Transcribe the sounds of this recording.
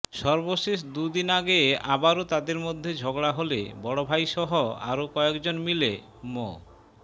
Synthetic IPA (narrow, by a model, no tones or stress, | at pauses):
ʃɔɾboʃeʃ̬d̪ud̪inaɡeabaɾot̪ad̪eɾmod̪ʱːed͡ʑʱɔɡɽaɦolḛbɔɽobʱajʃɔɦoa̰ɾokɔekd͡ʑonmile | mo